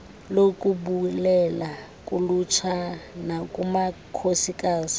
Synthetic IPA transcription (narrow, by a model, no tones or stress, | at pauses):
lokʼuɓulɛla | kʼulut͡ʃʰanakʼumakʰosikʼaːsi̥